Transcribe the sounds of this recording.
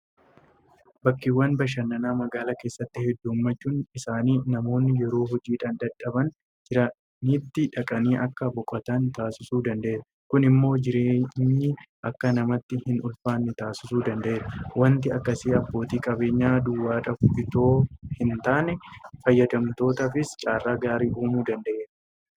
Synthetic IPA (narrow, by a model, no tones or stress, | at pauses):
bɐkːɪwːɐnbɐʃ̬ɐnːɐnaːmɐɡaːlɐke̞ːsːɐt̪ːɪhɛd̪ːuːmːɐt͡ʃːuːnɪsaːniːnɐmo̞ːnːɪjɛɾo̞ːɦɔd͡ʒiːᶑaːnd̪ɐᶑɐbɐn | d͡ʒɪɾɐ | niːt̪ːɪᶑɐkʼɐniːʔɐkːɐbɔkʼːɐt̪ɐnt̪aːsɪsuːd̪ɐnd̪ɐʔeːɾɐ | kʊnɪmːo̞ːd͡ʒɪɾeːɲːiːʔɐkːɐnɐmɐt̪ːɪhɪnʔʊlfaːnːɪt̪aːsɪsuːd̪ɐnd̪ɐʔeːɾwɐnt̪̬ɪɐkːɐsiːɐbːo̞ːt̪iːkʼɐbe̞ːɲːaːd̪ʊwːaːᶑɐfʊɪt̪o̞ːhɪnt̪aːnɛfɐjːɐd̪ɐmt̪o̞ːt̪ɐfɪst͡ʃʼaːrːaːɡaːɾiːʔuːmuːd̪ɐnd̪ɐʔeːɾɐ